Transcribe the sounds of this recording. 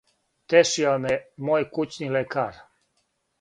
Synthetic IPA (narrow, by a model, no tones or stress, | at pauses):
t̪eʃiamemoːjkut͡ɕnilekaːɾ